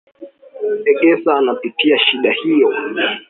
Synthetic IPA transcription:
ɛɠɛsaːnapitiaʃiɗahijɔ

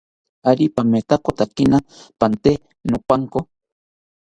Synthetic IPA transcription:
aɾipamet̪akot̪akinapant̪e | nʊpaŋko

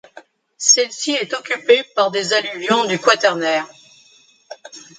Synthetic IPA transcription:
sɛlsiɛt̪ɔkʲypepaʁd̪ezalyvjɔ̃d̪ykwat̪ɛʁnɛːʁ

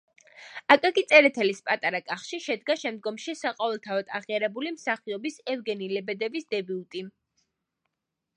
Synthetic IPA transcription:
akʼaɡit̪sʼɛɾɛt̪ʰɛlispʼat̪ʼaɾakʼaχʃiʃɛd̪ɡaʃɛmd̪̚ɡɔmʃisaqʼaɛlˠt̪ʰavɔd̪ʰaʁiaɾɛbulimsaχiɔbisɛvɡɛnilɛbɛd̪ɛbisd̪ɛbiut̪ʼi

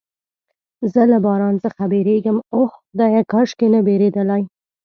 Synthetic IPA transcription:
zəlabɑɾɑnt͡səxabeɾeɡəmohd̪ɑjakɑʃkenəbeɾed̪əlaj

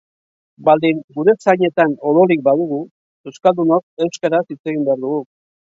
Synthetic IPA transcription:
bald̪iŋɡuɾe̞t͡saɲe̞t̪ano̞lo̞ɾik̚baðuɣ̞u | e̞wskald̪unok̚e̞wskaɾasit͡se̞ɣimbe̞aɾðuɣu

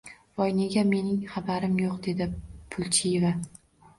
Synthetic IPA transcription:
vɒjneɡʲame̞nɪŋχabaɾɪmjoqd̪e̞d̪ɪpʰʊlˠt͡ʃʰɪjeva

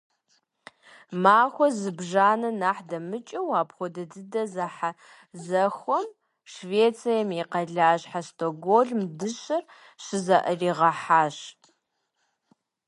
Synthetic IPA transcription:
maːxʷɔzɨbʒaːnɐnaːħdɐmɨt͡ʃʼɐwaːpxʷɔdɐdɨdɐzaħa | zɐxʷɔm | ʃveːt͡sʰʼijɐmiqɐɮaːɕħastʰoɡʷoɮmdɨɕʼɐr | ɕɪzɐʔɐriːʁɐħaːɕ

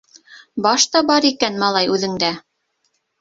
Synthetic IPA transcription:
bɑʃt̪ɑbɑɾikænmɑlˠɑjʉðɘ̆ŋd̪æ

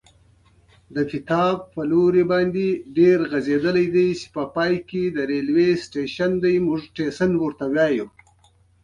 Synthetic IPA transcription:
d̪əkɪt̪ɑb̚pəloɾebɑːnd̪eɖeɾɣazed̪əlajd̪ajse̥pəpɑːjked̪əɾelwesʈeʃand̪ajmʊʐʈesanwəɾt̪awjɑːju

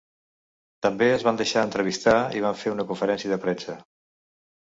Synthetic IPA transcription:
t̪əmbeəzβand̪əʃaənt̪ɾəβist̪aiβ̞aɱfeunəkuɱfəɾɛnsiəðəpɾɛsə

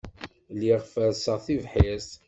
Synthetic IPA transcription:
lːiʁfəɾsəʁθivħis

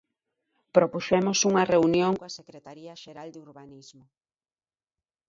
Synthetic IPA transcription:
pɾopuʃɛmosuŋɐreunjoŋkoɐsekɾet̪aɾiɐʃeɾald̪uɾβanizmo

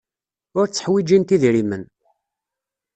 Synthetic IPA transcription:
ʊɾt͡sːə̥ħwid͡ʒint̪iðɾimən

